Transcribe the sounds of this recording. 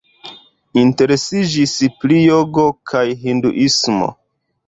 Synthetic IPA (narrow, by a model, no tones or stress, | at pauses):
inte̞ɾesid͡ʒispɾijoɡo̞kʰajɦindṵʔismo̰